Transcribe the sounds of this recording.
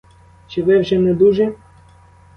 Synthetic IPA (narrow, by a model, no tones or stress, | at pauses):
t͡ʃɪʋɛwʒɛnɛd̪uʒɛ